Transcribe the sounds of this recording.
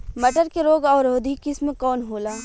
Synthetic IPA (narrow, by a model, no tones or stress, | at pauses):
mɐʈəɾkeɾoːɡɔːɾoːd̪ʱikɪsmẽkɔːnɦoːlaː